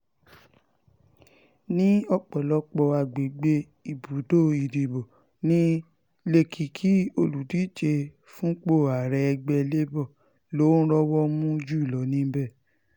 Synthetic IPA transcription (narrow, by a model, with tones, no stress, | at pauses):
nĩ˦ɔ˦˨k͡pɔ˨lɔ˨˦k͡pɔ˧a˧˨ɡ͡be˨˦ɡ͡be˧˦ | i˨bu˨˦do˦˨i˨di˨bɔ˨ | nĩ˦ | le˧kʰi˨kʰi˨˦o˧lu˨di˨˦t͡ʃe˧ | fũ˦k͡po˦˨a˨ɾɛ˧ɛ˧ɡ͡bɛ˧le˦bɔ˦˨ | lo˨˦ñ̩˦ɾɔ˦wɔ˦mũ˦d͡ʒu˦i˦˨lɔ˨˦nĩ˦bɛ˦˨